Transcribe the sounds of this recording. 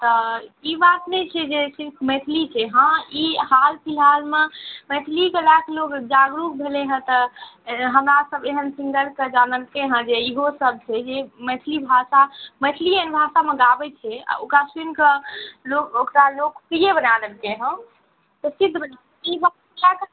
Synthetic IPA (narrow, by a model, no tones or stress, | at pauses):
t̪ɔibat̪nɛt͡ʃʰɛd͡ʒesiɾkʰmɛʈ̪ʰlit͡ʃʰɛɦãiɦalpʰilalmemɛt̪ʰlikelaklokd͡ʒaɡɾuk̚bʱeleɦə̃t̪ə | ɦəmɾasəbeɦənsĩŋɡəlked͡ʒanəlkẽɦə̃d͡ʒeiɦosəb̚t͡ʃʰɛd͡ʒemɛt̪ʰlibʱasamɛt̪ʰliənbʱasameɡabɛt͡ʃʰɛa̰o̰kasinkəlokokɾalokpijebənadəlkeɦə̃ | t̪ɔsid̪ʱbə | iba | lak